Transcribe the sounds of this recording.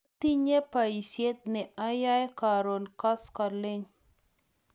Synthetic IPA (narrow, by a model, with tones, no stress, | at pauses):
t̪i˦ɲe˦pa˨i˨sje˦t̪̚nɛ˨ʔa˦ja˦jka˨ɾo˨nka˦ska˨lɪ˦ɲ